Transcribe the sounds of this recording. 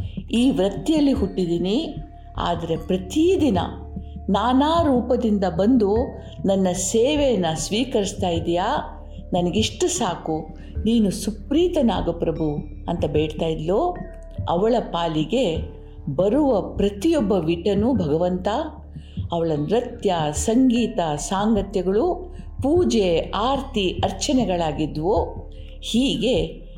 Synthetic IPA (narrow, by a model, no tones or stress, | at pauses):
iːʋɾɐt̪ːijɐlːiɦuʈːid̪iːni | a̰ːd̪ɐɾe̞pɾɐt̪id̪inɐ̰ | naːnaːɾuːpɐd̪ind̪ɐbɐnd̪u | nɐnːɐseːʋejɐnːɐsʋiːkɐɾist̪aːjid̪ijaː | nɐnɐɡiʂʈusaːku | niːnusupɾiːt̪ɐna̰ːɡɐpɾɐbʱu | ɐ̰nt̪ɐbeːɽt̪aːjid̪loː | ɐ̰ʋɐɭɐpaːliɡe̞ | bɐɾuʋɐpɾɐt̪ijɔbːɐʋiʈɐnubʱɐɡɐʋɐnt̪a | ɐʋɐɭɐnɾɐt̪jɐsɐŋɡiːt̪ɐsaːŋɡɐt̪jɐɡɐɭu | puːd͡ʒeaːɾt̪iɐɾt͡ʃɐnɛɡɐɭaːɡid̪ʋo | hiːɡe̞